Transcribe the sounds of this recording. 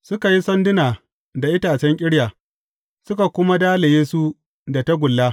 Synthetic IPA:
sʊ˦ka˨ji˦sɐ˦ndɪ˦naː˨ | da˨ʔɪ˦taː˨t͡ʃɛ˦ŋkʲʼɪ˦ɽjaː˨ | sʊ˦ka˨kʷʊ˦ma˦daː˦le˨jeː˦su˦ | da˨ta˦ɡʷʊ˨lːaː˦

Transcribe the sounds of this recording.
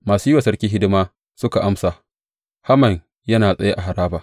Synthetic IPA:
maː˨suː˦jwa˨sɐ˦ɽkʲiː˦ɦɪ˦dɪ˦maː˦ | sʊ˦ka˨ʔa˦msaː˨ | ha˦mɐ˨ɲ | jɐ˦naː˨sʼɐ˦ja˦ʔa˨ɦa˨ɾaː˦baː˨

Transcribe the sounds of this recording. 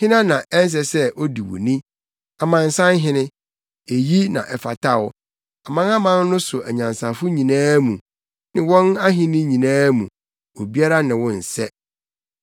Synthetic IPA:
hɪ̃˦nã˦nã˨ʔɛ˦n̩˦s̬ɛ˨sɛ˦ʔo˦di˨wo̰˨nĩ˦ | a˨mã˨n̩˨sã˦n˦ɦɪ̃˦nɪ̃˦ | e˨ji˦nã̰˨ʔɛ˨fa˨tʰa˦˨wʊ˦ | a˨mã˦na˦mã˦n˦nʊ̃˦sʊ˨ʔæ̰˨ɲã˨nsã˨fʊ˦ɲĩ˨nãː˦mũ˨ | nɪ̃˨wɔ̃˦na˦ɦɪ̃˦nɪ̃˦ɲĩ˨nãː˦mũ˨ | o˨bi˦a˦ɾa˦nɪ̃˨wʊ̃˦n̩˨sɛ˦

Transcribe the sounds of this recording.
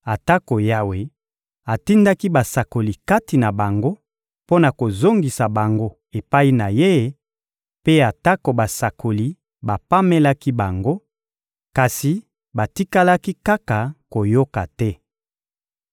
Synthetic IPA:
a˨ta˦ko˨ja˦we˨ | a˨ti˦nda˦ki˦ba˨sa˨ko˨li˨ka˦ti˨na˨ba˨ŋɡo˦ | po˦na˨ko˨zo˦ŋɡi˨sa˨ba˨ŋɡo˦ | e˨pa˦i˦na˨je˦ | pe˦a˨ta˦ko˨ba˨sa˨kʰo˨li˨ | ba˨pa˦me˦la˦ki˦ba˨ŋɡo˦ | ka˨si˨ | ba˨ti˦ka˦la˦ki˦ka˦ka˨ko˨jo˦ka˨tɛ˦

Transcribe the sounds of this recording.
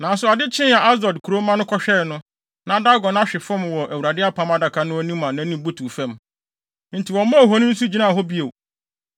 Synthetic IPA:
nã˨sʊ˨a˨dɪ˦t͡ɕʰɪ̃˦n˦a˨ʔa˦s̬dɔ˨dkʰu˨ɾo˦mã˦nʊ̃˦kʰɔ˦ɕᶣɛ˦˨nʊ̃˦ | nã˨da˦ɡɔ˨nã˦ɕᶣɪ˨fɔ̃˦m˨wɔ˨ʔæ˨wu˨ɾa˨dɪ˦a˦pʰã˨˦ma˦da˨kʰa˨nʊ̃˦æ˦nĩ˦mã˨nã˨˦nĩ˨bu˦tʰu˨fɛ̃˦m | n̩˨tʰi˨wɔ̃˨˦mɔ̃˦˨ɦɔ˦nʊ̃˦n̩˦su˦d͡ʑi˦nã˦˨ɦɔ˦bi˦e˨

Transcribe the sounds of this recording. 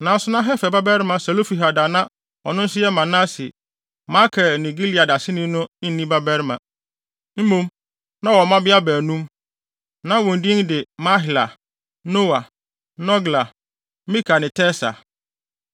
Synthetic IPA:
nã˨˦sʊ˦nã˦ɦɛ˦fɛ˨ba˦bɛ˦ɾɪ˦mã˨sɛ˨lo˦fi˨ɦa˨da˨nã˦ | ɔ˨nʊ̃˦n̩˦sɪ˦ɛ˦mã˨nã˦sɪ̰˨ | mã˦kʰɛ˨nĩ˨ɡi˦li˨a˨da˨sɪ˦nĩ˦nʊ̃˦ɪ̃˦n̩ː˦ĩ˦ba˦bɛ˦ɾmã˨ | m̩˦mũ˦m | nã˦wɔ˨mã˦bɪ˦a˦bæː˨nũ˦m | nã˦wɔ̃˨n̩˨di˦n˦dɪ˨ma˦ɦɪ˨la̰˨ | no˦wa˨ | nɔ˦ɡla˨ | mĩ˦kʰa˨nɪ̃˨tʰɛ˦sa̰˨

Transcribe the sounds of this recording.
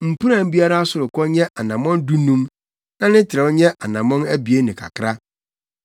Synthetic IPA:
m̩˨pʰu˦ɾã˨m̩˦bi˦a˦ɾa˦a˦sʊ˨ɾʊ˨kɔ˦ɲɛ̃˦ʔa˨nã˨mɔ̃˦n˦du˦nũ˦m | nã˦nɪ̃˦tʰɪ˨ɾɛ˨wɔ˦ɲɛ̃˦ʔa˨nã˨mɔ̃˦næ˦bi˨e˦nɪ̃˨kʰa̰˨kʰɾa˦

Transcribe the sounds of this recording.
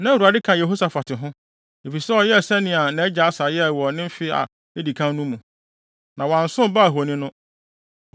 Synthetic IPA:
nã˦˨a˨dɪ˦kʰã˨je˨ɦo˦sa˨fa˨tʰɪ˨ɦʊ̃˦ | e˨fi˨sɛ˦ɔ˨jɛ˦˨sɛ˦nɪ̃˦a˨nɛ̃˨˦d͡ʑa˨a˦sa˨˦jɛ˦˨wɔ˨nɪ̃˦m˦fɪ˦a̰˨ | e˦di˨kʰã˦nnũ˦mũ˨ | nã˨wã˨n˨sʊ̃˦ba˦˨ɦo˨nɪ̃˦nʊ̃˦

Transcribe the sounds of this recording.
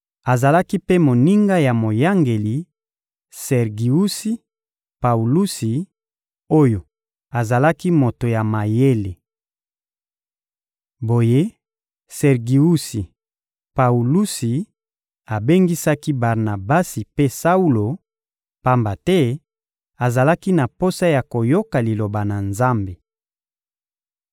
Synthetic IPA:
a˨za˨la˦ki˦pe˦mo˨ni˦ŋɡa˦ja˨mo˨ja˦ŋɡe˨li˨ | sɛ˨ʁɡi˨u˦si˦ | pa˨u˨lu˦si˨ | o˦jo˨ | a˨za˨la˦ki˦mo˨to˨ja˨ma˨je˦le˨ | bo˨je˦ | sɛ˨ʁɡi˨u˦si˨ | pa˨u˨lu˦si˨ | a˨be˦ŋɡi˦sa˦ki˦ba˨ʁna˨ba˦si˨pe˦sa˦u˦lo˨ | pa˦mba˨tɛ˦ | a˨za˨la˦ki˦na˨po˦sa˦ja˨ko˨jo˦ka˨li˨lo˨ba˨na˨nza˦mbe˨

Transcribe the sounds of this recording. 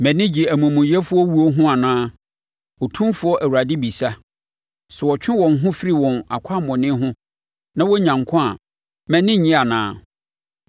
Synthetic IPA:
mɛ̃˨nɪ̃˦d͡ʑi˨æ˨mũ˨mũ˨jɛ˦fʊ˦ɔ˦wu˦ɔ˦ɦʊ̃˦a˨nãː˦ | ɔ˨tʰũ˦mfʊ˨˦ɔ˦ʔæ˨wu˨ɾa˨dɪ˦bi˨sa˦ | sɛ˨wɔ˨t͡ɕᶣɪ̃˦wɔ̃˨nɦʊ̃˦fi˦ɾi˨wɔ̃˨na̰˨kʷʰa˦˨mɔ̃˨nɪ̃˦ɦʊ̃˦ | nã˦wɔ˦ɲã˨ŋ˨kʰʊ̃˦a̰˨ | mɛ̃˨nɪ̃˦˨ɲɪ̃˦a˨nã̰ː˨˦

